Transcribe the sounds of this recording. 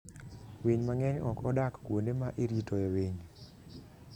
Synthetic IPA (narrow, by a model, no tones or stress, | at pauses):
wiɲmaŋɛɲɔkɔdakkwonemaʔeɾitoewiɲ